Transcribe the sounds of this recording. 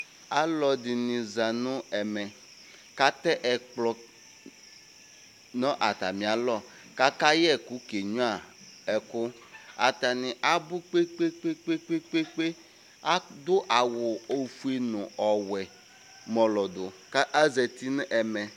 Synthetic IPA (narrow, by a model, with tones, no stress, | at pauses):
a˦lɔ˨dɪ˨nɪ̃˨za˨nʊ̃˦ɛ˨mɛ˨ | ka˦t̪ɛ˦ʔɛ˨k͡plɔ˦ | nɔ̃˦ʔa˨t̪a˨mĩ˨a˨lɔ˦˨ | ka˦ka˦jɛ˦˨kʊ˨˦ke˨ɲũ˦a˨ɛ˨kʊ˦ | a˨t̪a˨nɪ˨ʔa˦bʊ˦k͡pe˦k͡pe˦k͡pe˦k͡pe˦k͡pe˦k͡pe˦k͡pe˦ | a˦dʊ˦ʔa˨wʊ˨o˨fu˨e˨nʊ̃˨ɔ˨wɛ˨ | mɔ̃˨lɔ˨dʊ˨ka˦ʔa˦zɛ˨t̪i˦nʊ̃˦ʔɛ˨mɛ˨